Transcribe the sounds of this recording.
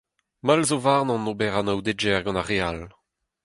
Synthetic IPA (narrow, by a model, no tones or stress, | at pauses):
malzovaʁnɑ̃nobɛʁanawd̪ed͡ʒɛʁɡɑ̃naʁeal